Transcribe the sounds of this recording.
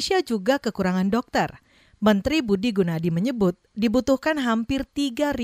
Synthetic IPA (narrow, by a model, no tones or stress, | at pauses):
siad͡ʒuɡakəkuɾaŋandɔk̚t̪ər | mənt̪ɾibudiɡunadiməɲəbʊt̪̚dibut̪uhkanɦampɪrt̪iɡari